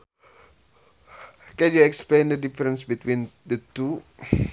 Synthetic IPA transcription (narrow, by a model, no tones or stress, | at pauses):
kɛ̃njuɛksplẽndədifəɾə̃nsbit̪wĩndətu